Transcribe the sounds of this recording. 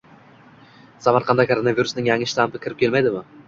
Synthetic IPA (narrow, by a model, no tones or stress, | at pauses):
samaɾqʰɑnd̪akʰoɾonaviɾusnɪŋjaŋːɪʃt̪ampɪkʲʰɪɾɪp̚kʲe̞lmajd̪ɪmɪ